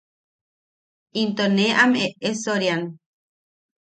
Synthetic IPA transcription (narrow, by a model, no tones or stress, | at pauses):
int̪oneʔameesoɾjan